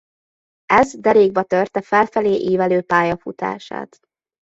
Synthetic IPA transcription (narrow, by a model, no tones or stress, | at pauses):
ɛzd̪ɛɾeːɡ̚bɛt̪ørt̪ɛfɛlfɛleːʔiːvɛløːpaːjɒfut̪a̰ːʃa̰ːt̪